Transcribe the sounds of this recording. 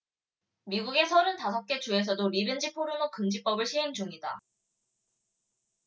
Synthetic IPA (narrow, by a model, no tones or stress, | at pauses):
miɡuɡe̞sʰʌɾɯntas̬ʰʌp̚k͈e̞t͡ɕue̞s̬ʰʌdoɾibend͡ʑipʰoɾɯmokɯmd͡ʑip͈ʌbɯɭɕʰiɦe̞ŋd͡ʑuŋida